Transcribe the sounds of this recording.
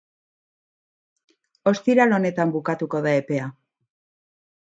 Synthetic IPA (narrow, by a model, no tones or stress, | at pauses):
o̞st̪iɾalo̞ne̞t̪ambukat̪uko̞ðae̞pe̞a